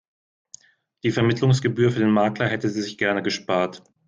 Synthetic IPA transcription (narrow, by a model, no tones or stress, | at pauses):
d̥iːfɛɐmɪtlʊŋs̬ɡ̥əbyːɐfyɐdeːnmaːklɐhɛtəziːzɪçɡ̥ɛɐnəɡəʃpaːɐt